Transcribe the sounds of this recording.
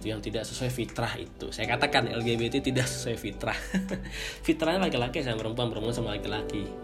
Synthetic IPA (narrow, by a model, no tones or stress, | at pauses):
t̪ujaŋt̪idaʔsəsuajfit̪ɾahḭt̪ṵsajakat̪akanɛ̰lɡebet̪et̪idaʔsə̥suɛfit̪ɾah | fit̪ɾahɲalakilakis̬ajaŋpəɾəmpuanpəɾəmuansəmalakilaki